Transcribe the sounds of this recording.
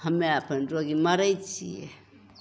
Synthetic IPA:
hɐmeapenɾoɡimaɾajt͡ʃḭḛ

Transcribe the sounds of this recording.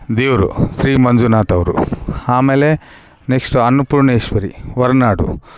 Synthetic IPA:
d̪iːʋɾṵsɾiːmɐnd͡ʒunaːt̪ɐʋɾṵaːmeːle | neksʈuɐnːupuɾɳeːʃʋɐɾḭʋɐɾnaːɖṵ

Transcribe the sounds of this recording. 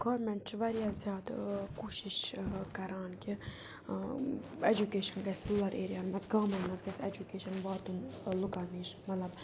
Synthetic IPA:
ɡ̥ɔːɾmɛɳʈt͡ʃʰʋɐɾjazjaːd̪kuːʃiʃkɐɾaːnki | ed͡ʒukeːʃɐnɡɐsluːlɐɾʔeːɾijaːlmɐzɡaːmɐnmɐzɡɐsed͡ʒukeːʃɐnʋaːt̪unlukɐniʃmɐt̪lɐb

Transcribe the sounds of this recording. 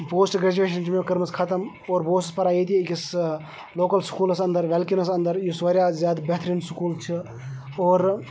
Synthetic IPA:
poːsʈɡɾeːd͡ʒueːʃɐnʈmẽkɐɾməskʰɐt̪əm | oːɾboːsspɐɾaːjit̪ikis | loːkɐlskuːlɐsɐ̃nd̪əɾʋelkinɐsɐnd̪əɾjusʋaɾjaːzjaːd̪bɛɦt̪ʰɾinsʊkuːlt͡ʃʰi | oːɾ

